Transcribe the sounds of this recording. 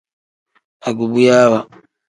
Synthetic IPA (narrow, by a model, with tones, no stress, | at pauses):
a˨ɡu˨βu˦jaː˦βa˨